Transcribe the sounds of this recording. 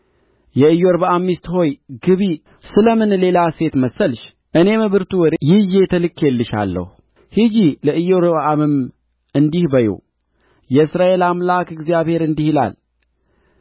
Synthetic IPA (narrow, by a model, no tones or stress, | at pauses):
jɛɨjːo̞ɾbaʔamːist̪ho̞jɡɨβi | sɨləmɨnle̞lase̞t̪məsəlʃ | ʔɨne̞mɨβɨɾt̪ʰuwɔɾjɪje̞t̪ʰəlɨkʰːjelːɨʃa̰lːə̰hu | hɨd͡ʒiləʔɨjːo̞ɾbaʔamɨm | ɨnd̪ihbəjṵ | jɛɨsɾaʔe̞lamlakɨɡzijaβhe̞ɾɨnd̪ihila̰l